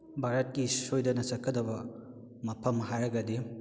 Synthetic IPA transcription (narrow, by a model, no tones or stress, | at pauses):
bʱaɾɐt̚kisojdɐnɐsɐkʰːɐdɐbɐ | mɐpʰɐmɦajɾɐɡɐdi